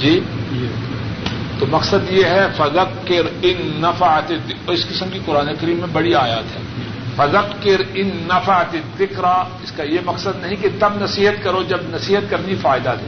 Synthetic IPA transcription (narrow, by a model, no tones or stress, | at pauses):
d͡ʒiː | t̪oːmɐqsəd̪jeɦɛfɐzəqː | ɪɾɪnːɐfəət̪ed̪ɪkːɪskɪsəmkikʊɾaːnekɐɾiːmːẽbɐɽiaːjaːt̪ɦɛː | fɐzəqkɪɾɪnːɐfat̪eðɪkɾaɪskajemɐqsəd̪nɐɦĩket̪ɐbnɐsiːɦət̪kɐɾod͡ʒɐbnɐsiːɦət̪̚kɐɾnifaːɪd̪ad̪ḛː